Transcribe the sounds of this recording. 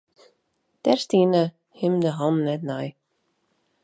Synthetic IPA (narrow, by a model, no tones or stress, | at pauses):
d̥ɛrstiənə | hɪmdəɦɔnnɛtnaj